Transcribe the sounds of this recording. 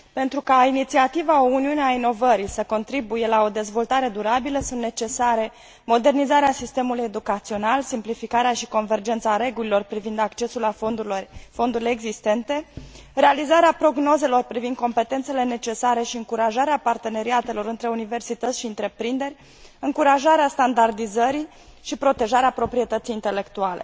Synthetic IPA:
pe̞nt̪ɾukainit̪siat̪ivaouniuneaino̞vəɾisəko̞nt̪ɾibuje̞lao̞d̪e̞zvo̞lt̪aɾe̞d̪uɾabiləsunt̪ne̞t͡ʃe̞saɾe̞ | mo̞d̪e̞rnizaɾeasist̪e̞muluje̞d̪ukat̪sio̞nalsimplifikaɾeaʃiko̞nve̞rd͡ʒe̞nt̪saɾe̞ɡulilo̞rpɾivind̪akt͡ʃe̞sula | fo̞nd̪uɾileːɡzist̪e̞nt̪e̞re̞alizaɾeapɾo̞ɡno̞ze̞lo̞rpɾivind̪̚ko̞mpe̞t̪ent̪se̞le̞ne̞t͡ʃe̞saɾe̞ʃiɨŋkuɾaʒaɾeapart̪e̞ne̞ɾiat̪e̞lo̞ɾɨnt̪ɾe̞unive̞rsit̪ət̪sʲʃiɨnt̪ɾe̞pɾind̪e̞ɾʲ | ɨŋkuɾaʒaɾeast̪and̪ard̪izəɾi | ʃipɾo̞t̪e̞ʒaɾeapɾo̞pɾie̞t̪ət̪sijːnt̪e̞le̞kt̪uale̞̰

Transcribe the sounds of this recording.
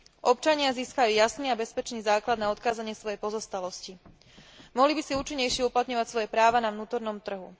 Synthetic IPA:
ʔɔpt͡ʃaɲɪaziːskajuːjasniːabɛspɛt͡ʃniːzaːklad̪naɔt̪kaːzaɲɪɛsʋɔjɛjpɔzɔst̪alɔsci | mɔɦlibisiuːt͡ʃiɲːɛjʃɪɛuplat̪ɲɔʋacsʋɔjɛpɾaːʋanaʋnuːt̪ɔɾnɔmt̪r̩ɦu

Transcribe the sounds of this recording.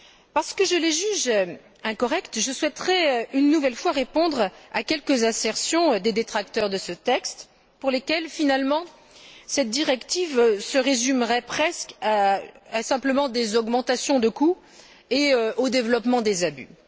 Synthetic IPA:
paʁsə̥kəʒəleʒyʒ | ɛ̃kɔʁɛkt̪ʒəswɛt̪χɛynːuvɛlfwaʁepɔ̃d̪ʁakʲɛlkəzɛsɛʁsjɔ̃d̪ed̪et̪χak̚t̪œʁd̪əsət̪ɛkst̪ | puʁlekʲɛlfinalmɑ̃ | sɛt̪̚d̪iʁɛkt̪ivsəʁezymʁɛpχɛskasɛ̃pləmɑ̃d̪ezɔɡmɑ̃t̪asjɔ̃d̪əku | eøod̪evlɔpmɑ̃d̪ezaby̰

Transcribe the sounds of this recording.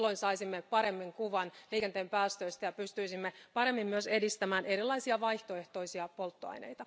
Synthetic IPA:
lːo̞insɑisimːepɑɾe̞mːiŋkuʋɑnliːkent̪eːmpæːst̪ø̞ist̪æjɑpyst̪yisimːepɑɾe̞mːimmyøse̞dist̪æmæːnʔe̞ɾilːɑjsiɑʋɑjht̪o̞e̞ht̪o̞isiɑpo̞lt̪ːoɑ̰jnḛjt̪ɑ

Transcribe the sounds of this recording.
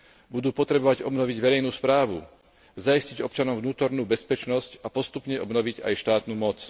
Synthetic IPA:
bud̪uːpɔt̪ɾɛbɔʋaɟɔbnɔʋiɟʋɛɾɛjnuːspɾaːʋṵ | zaisciɟɔpt͡ʃanɔmvnuːt̪ɔɾnuːbɛspɛt͡ʃnɔscapɔst̪upɲɛʔɔbnɔʋiɟa̰jʃt̪aːt̪nuːmɔt͡s

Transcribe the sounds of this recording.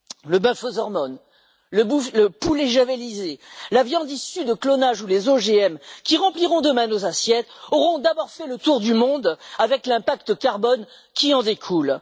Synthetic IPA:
ləbɛ̃fozɔʁmɔn | ləbuləpuleʒavelizelavjɑ̃d̪isyd̪əklɔnaʒulezoʒeɛmkʲiʁɑ̃pliʁɔ̃d̪əmɛ̃nozasjɛt̪ɔʁɔ̃d̪abɔʁfɛlət̪uʁd̪ymɔ̃d̪avɛklɛ̃pakt̪əkaʁbɔn | kʲiɑ̃d̪ekʰul

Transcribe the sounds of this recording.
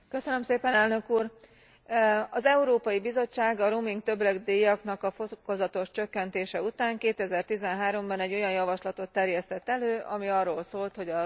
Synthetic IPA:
køsønø̞mseːpɛnɛlnøkuːr | ɒzɛuɾoːpɒjibizo̞t͡ʃːaːɡɒɾuːmiŋkt̪ø̞blɛɡd̪eːjɒkn̪ɒkɒfokozɒt̪o̞ʃt͡ʃø̞kːɛnt̪eːʃɛut̪aːŋkeːt̪ɛzɛrt̪izɛnɦaːɾo̞mbɒnɛɟːo̞jɒnjɒvɒʃlɒt̪o̞t̪ːɛrjɛst̪ɛt̪ːɛløːʔɒmiɒrːoːlsoːlt̪ho̞ɟɒ

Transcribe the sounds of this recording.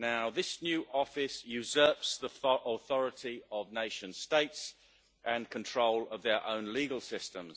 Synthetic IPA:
naʊðɪsnjʉːʔɒfɪsjɨzɜˑpsðiʔəθɒɹɪtiəvneɪʃə̃nsteɪts | ʔə̃nkʰə̃ntʰɹ̥oʊləvðə˞ʔə̰̃ʊ̃nliːɡəlˠsɪstə̃mz̥

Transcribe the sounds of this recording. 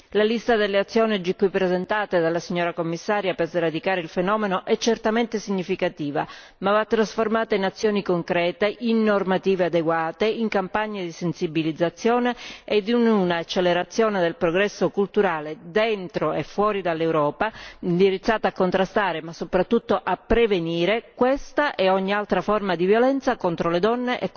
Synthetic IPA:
lalist̪ad̪elːeat̪sːjɔːnid͡ʒikːuipːɾezɛnt̪aːt̪ed̪alːasiɲːɔːɾakomːisːaːɾjapezeɾad̪ikaːɾeilfenɔːmenoʔɛt͡ʃːɛrt̪ament̪esiɲːifikat̪iːva̰ | mavat̪ːɾasformaːt̪ainat̪sːjɔːnikoŋkɾɛːt̪eʔinːormat̪iːvead̪eɡwaːt̪eiŋkampaɲːed̪isensibilid̪zːat̪sːjɔːneed̪ununaːt͡ʃːelːeɾat̪sːjɔːned̪elpɾoɡɾɛsːokult̪uɾaːled̪ɛnt̪ɾoefːwɔːɾid̪alːewɾɔːpand̪iɾit̪sːaːt̪aːkːont̪ɾast̪aːɾemasːopɾat̪ːut̪ːoʔapːɾeveniːɾekwɛst̪aʔɛɔɲːialt̪ɾafɔrmad̪ivjolɛnt̪sakont̪ɾoled̪ɔnːeʔɛk

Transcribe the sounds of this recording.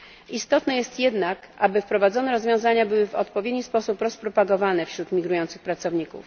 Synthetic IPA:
ʔist̪ɔt̪nɛjɛst̪jɛd̪nak | abɘfpɾɔvad̪zɔnɛɾɔzvʲjɔ̃w̃zaɲabɘwɘvɔ̰t̪pɔvʲjed̪ɲispɔsupɾɔspɾɔpaɡɔvanɛfɕɾut̪mʲiɡɾujɔnt̪sɘ̥xpɾat̪sɔvɲikṵf

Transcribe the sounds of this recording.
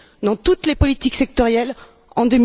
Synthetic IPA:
d̪ɑ̃t̪ut̪lepɔlit̪iksɛk̚t̪ɔʁjɛl | ɑ̃d̪əm

